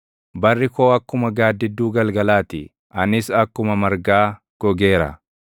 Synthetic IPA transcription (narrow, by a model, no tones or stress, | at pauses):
bɐrːɪkoːɐkːʊmɐɡaːd̪ːɪd̪ːuːɡɐlɡɐlaːt̪ɪ | ʔɐnɪsɐkːʊmɐmɐɾɡaː | ɡ̥ɔɡe̞ːɾɐ̰